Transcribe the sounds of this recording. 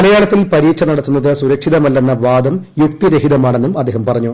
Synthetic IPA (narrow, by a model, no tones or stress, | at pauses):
ɐlɐjaːɭɐt̪ːilpɐɾiːt͡ɕːɐnɐɽɐt̪ːunːɐðɨsuɾɐkʂiðɐmɐlːɐnːɐʋaːd̪ɐmjukt̪iɾeɦiðɐmaːɳe̞nːumɐd̪ːeːɦɐmpɐrɐɲːu